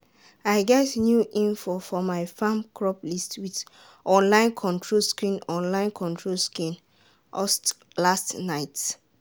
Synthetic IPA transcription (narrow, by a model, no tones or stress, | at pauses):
aɪɡɛtnjuʔĩnfofɔmaɪfãmkʰɹɔplistwit | ʔɔ̃nlãɪ̃nkʰɔ̃ntʰɹolskɹĩnɔ̃nlãɪ̃nkʰɔ̃ntʰɹolskĩn | ɔs | lastnaɪt